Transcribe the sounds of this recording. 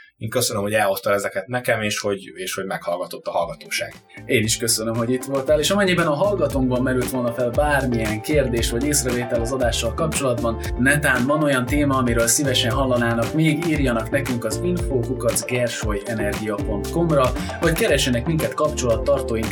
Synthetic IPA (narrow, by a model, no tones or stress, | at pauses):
eːŋkøsønømho̞ɟɛlo̞st̪ɒɛzɛkɛt̪nɛkɛmeːʃho̞ɟeːʃho̞ɟmɛkhɒlɡɒt̪o̞t̪ːɒɦɒlɡɒt̪oːʃa̰ːɡ | eːniʃkø̞sønømɦo̞ɟit̪ʋo̞lt̪aːleːʃɒmɛɲːibɛnɒɦɒlɡɒt̪oŋbɒmːɛɾylt̪ʋo̞lnɒfɛlbaːrmiɛŋkeːrd̪eːʃʋɒɟeːsrɛveːt̪ɛlɒzɒd̪aːʃːɒlkɒpt͡ʃo̞lɒd̪bɒnnɛt̪aːnvɒno̞jɒnt̪eːmɒːmiɾøːlsivɛʃɛnɦɒlːɒnaːnɒkmeːɡiːrjɒnɒknɛkyŋkɒziɱfoːkukɒzɡɛrʃojɛnɛrɡijɒpo̞nt̪ko̞mrɒ | vɒckɛɾɛʃːɛnɛkmiŋkɛt̪kɒpt͡ʃo̞lɒt̪ːɒrt̪oːjin